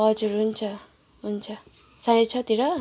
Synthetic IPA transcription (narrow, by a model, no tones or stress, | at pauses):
ɦʌd͡zuɾɦunt͡sʰʌ | ɦunt͡sʰʌ | sãɾet͡sʰʌt̪iɾʌ